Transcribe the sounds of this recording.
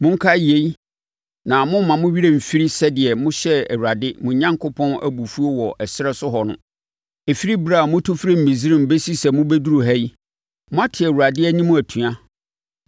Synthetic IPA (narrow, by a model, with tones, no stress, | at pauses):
mʊ̃˦ŋ̩˦kʰa˦˨je˦i˦ | nã˨mʊ̃˦m˦mã˨mʊ̃˦ɥi˦ɾe˨m̩˨fi˦ɾi˦sɛ˦dɪ˨ɛ˨mʊ̃˦ɕɛ˦æ̰˨wu˨ɾa˨dɪ˦mʊ̃˨ɲã˦ŋkʰo˦pʰɔ̃˦næ̰˦bu˨fu˦o˦wɔ˨ʔɛ˨sɪ˦ɾɛ˦sʊ˦ɦɔ˨nʊ̰̃˦ | e˨fi˦ɾi˦bɾa˦˨mʊ̃˦tʰʊ˦fɾi˦˨m̩˨ĩ˨zi˦ɾĩ˦m̩˨be˦si˦sɛ˨mʊ̃˦be˦du˦ɾu˨ɦɛ˦i˦ | mʊ̃˦a˦tʰɪ˨ɛ˨wu˨ɾa˨dɪ˦æ˦ɲĩ˦mʊ̃˦æ˨tʰũ˨a˦